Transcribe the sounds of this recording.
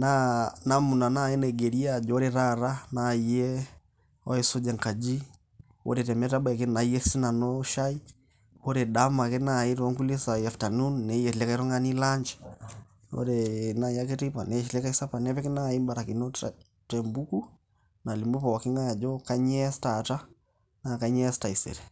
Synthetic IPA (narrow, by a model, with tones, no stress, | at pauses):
na˦na˦mu˨na˨na˦˨i˦nɛ˨ɡɛ˨ɾi˦a˦˨d͡ʒɔ˦ɾɛ˨ɾa˦˨ɾa˦na˨i˨jɛ˦ | ɔ˦ɛ˨so˦d͡ʒa˨ŋka˨d͡ʒi˦ | o̰˦ɾɛ˨tɛ˨mɛ˦ta˦ba˨ɛ˨ke˦na˨i˦ɛ˦si˦na˨nɔ˦ʃa˦i˦ | o˦ɾɛ˨ɗa˦ma˨ke˦na˨i˦ɾɔ˨˦ŋku˦le˦sa˨i˨a˨fta˨nu˦nnɛ˨jɛ˨lɛ˦ka˦i˦ɾɔ˦ŋa˦ni˦la˦ɲd͡ʒɛ̥ | o̰˦ɾe˨na˦˨ja˦ke˦ti˦pa̰˨nɛ˨˦ʃi˨lɛ˦ka˦i˦sa˦pa˨nɛ˦pɛ˦ke˦na˦˨i˦ba˨ɾa˨ki˨no˦t | tɛ˨mbu˦ku˦ | na˨li˨mbu˦pa˨wa˨kɪ˦ŋa˦ja˨d͡ʒɔ˦ka˦ɲɛ˦sta˨ta˦ | na˨ka˨˦ɲɛ˦sta˨i˨sɛ̰˨ɾɛ˨